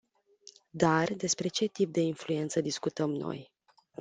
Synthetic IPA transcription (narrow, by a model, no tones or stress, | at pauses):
d̪ard̪e̞spɾe̞t͡ʃe̞t̪ip̚d̪e̞influe̞nt̪səd̪iskut̪əmno̞̰j